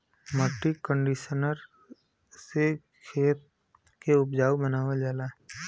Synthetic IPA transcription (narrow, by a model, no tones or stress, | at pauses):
məʈːikə̃ɳɖiʃənəɾ | se | kʰeːt̪̚ | keʊpd͡ʒaːwbənaːʋad͡ʒaːlaː